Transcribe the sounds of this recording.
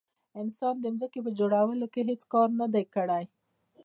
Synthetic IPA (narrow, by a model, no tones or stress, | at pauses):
ɪnsɑnd̪ənzəkepəd͡ʒoɽawəlokeɦet͡skɑɾnad̪ajkəɽaj